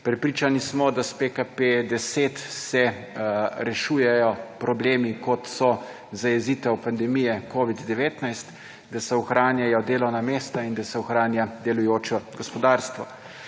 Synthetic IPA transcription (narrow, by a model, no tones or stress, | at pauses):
pɾɛpɾit͡ʃanismɔd̪aspekaped̪ɛseːt̪sɛ | ɾɛʃuːjɛjɔpɾɔbleːmikɔt̪sɔ | zajɛziːt̪ɛwpand̪ɛmijɛkoːʋid̪d̪ɛʋeːt̪najst̪ | d̪asɛɔxɾaːnjajɔd̪eːlɔwnameːst̪aind̪asɛɔxɾaːnjad̪ɛlujoːt͡ʃɔɡɔspɔd̪aːɾst̪ʋɔ